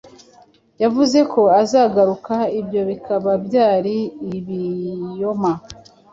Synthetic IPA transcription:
javuze̞ko̞azaɡaɾukaibjo̞βikʰaβabjaːɾiːβijoma

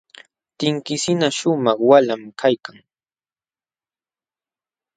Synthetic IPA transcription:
t̪ɪŋkɪsɪnaʃʊmɑχwalamkʰajkaŋ

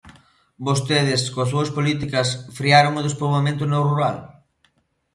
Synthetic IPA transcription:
bost̪eðɪskosuɐspolit̪ikɐsfɾiaɾoŋʊðespolβamẽnt̪ʊnowruɾal

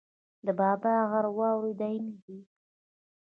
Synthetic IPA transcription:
d̪əbɑbaaɣaɾwɑwɾed̪ajnaɦi

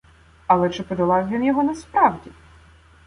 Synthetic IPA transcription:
ɐlˠɛt͡ʃɪpɔd̪ɐlˠɑwʲʋʲinjɔɦɔnɐspɾɑwdʲi

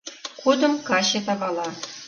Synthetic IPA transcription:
kud̪ɤ̆mkɑɕĕt̪̬ɑbɑlˠɑ

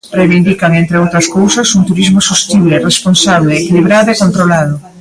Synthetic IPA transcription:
rejβind̪ikaŋent̪ɾeowt̪ɾɐskowsɐsunt̪uɾizmʊsost̪iβleresponsaβleeːkiliβɾaðoekont̪ɾolað̞ʊ

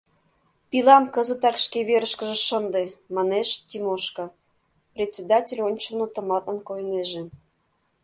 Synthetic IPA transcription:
pilɑmkə̆zə̆t̪ɑkʃkeβeɾəʃkə̆ʒĕʃənd̪emɑneʃt̪ʲimoʃko | prʲetʲt͡sʲed̪ɑtʲelʲonʲt͡ɕə̆not̪ə̆mɑt̪ə̆nkojneʒĕ

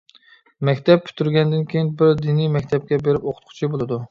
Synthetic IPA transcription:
mɛkʲt̪ʰɛp̚pʲʰy̥t̪ʰyɾɡʲɛnd̪ɪnkʲejɪnbɪɾd̪inijmɛkʲt̪ʰɛp̚kʲɛbeɾɪpoqʰʊ̥t̪̚qʰʊ̥t͡ʃʰibolˠɨd̪u

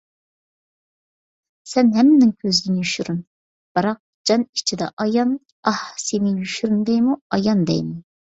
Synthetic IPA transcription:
sɛnɦɛmːɪnɪŋkʲʰøzd̪ɪnɪjyʃyɾyn | b̥ɨɾɑq̚d͡ʒɑni̥t͡ʃʰid̪ɛ̰ʔɑjɑn | ɑhsenɪjyʃyɾynd̪ɛjmuɑjɑnd̪ɛ̰jmu

